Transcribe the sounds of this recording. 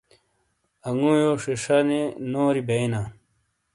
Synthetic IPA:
ɐŋujoʂiʂɐnenoːɾibeina

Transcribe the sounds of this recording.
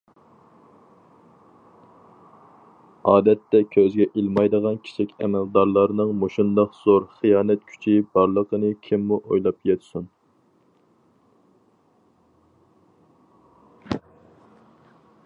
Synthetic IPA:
ɑːd̪ɛt̪ːɛkʲʰøzɡʲɛʔilˠmɑjd̪əʁɑnkʲʰi̥t͡ʃʰikʲɛ̰mɛld̪ɑɾlˠɑɾnɨŋmoʃund̪ɑqz̥oɾχijɑːnɛt̪̚kʲʰy̥t͡ʃʰibɑɾlˠəqənɨkʲʰimːuʔojlˠɑpjɛt̪sun

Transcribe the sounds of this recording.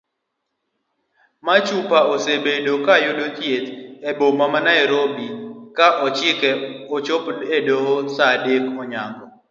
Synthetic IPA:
mat͡ʃupaosebedokajodotjet̪ebomamanaeɾobikaʔɔt͡ʃɪkɛot͡ʃopedoɦosadekɔɲaŋɡɔ

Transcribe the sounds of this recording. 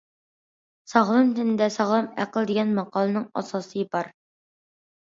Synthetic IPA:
sɑʁlˠɨmt̪ʰɪnɪd̪ɛsɑʁlˠɨmæ̰qəlˠd̪eɡʲɛnmɑqɑlˠɨnɨŋɑ̰sɑsɨjipɑɾ

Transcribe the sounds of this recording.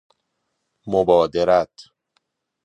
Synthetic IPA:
mobɒːd̪eɾæt̪ʰ

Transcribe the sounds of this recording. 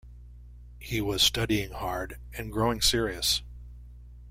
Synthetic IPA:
hiwʌz̥stʰʌɾiɪ̃ŋhɑɹd | ɨ̃nɡɹoʊɪ̃ŋsɪɹiɨs

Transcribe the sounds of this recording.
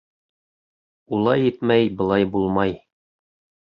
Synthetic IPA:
ulˠɑjit̪mæjbɤ̆lˠɑjbulˠmɑj

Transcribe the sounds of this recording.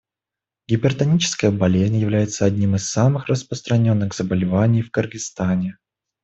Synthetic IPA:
ɡʲɪbʲɪrt̪ɐnʲit͡ɕɪ̥skəjəbɐlʲezʲnʲjɪvlʲæjɪt̪səɐdʲnʲimɨsːamɨxrəspɾəst̪ɾɐnʲo̞nːɨɣz̥əbəlʲɪvanʲɪjfkɨrɡɪst̪anʲɪ

